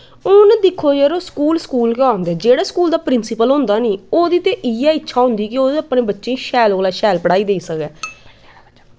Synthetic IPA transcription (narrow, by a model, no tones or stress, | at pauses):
ʊːnd̪ɪkʰːoːjəɾoːskuːlskuːlkãːnd̪ɛːd͡ʒeːɽaːskuːld̪aːpɾɪnsɪpəlɦʊ̃nd̪aːniːoːd̪iːt̪ẽːʔiaːɪtːʃʰaːɦʊ̃nd̪iːkɪoːd̪əpɳẽːbətːʃẽːĩːʃɛːloːlaːʃɛːlpəɽaːiːd̪eːiːsəkɛː